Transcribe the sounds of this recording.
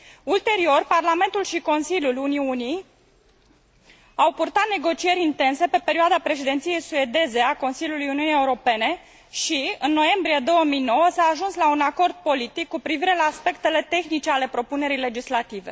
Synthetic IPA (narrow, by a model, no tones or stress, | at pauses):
ult̪e̞ɾio̞rparlame̞nt̪ulʃiko̞nsilʲjuluniuni | awpurt̪at̪̚ne̞ɡo̞t͡ʃie̞ɾʲint̪e̞nse̞pe̞pe̞ɾiuad̪apɾe̞ʃ̬id̪e̞nt̪sije̞jsue̞d̪e̞ze̞ako̞nsilʲjulujuniunijeuɾo̞pe̞ne̞ | ʃiɨnːo̞je̞mbɾije̞d̪o̞wəmijno̞wəsaːʒunslaunako̞rd̪̚po̞lit̪ikːupɾiviɾe̞laːspe̞kt̪e̞le̞t̪e̞xnit͡ʃe̞ale̞pɾo̞pune̞ɾile̞d͡ʒislat̪ive̞̰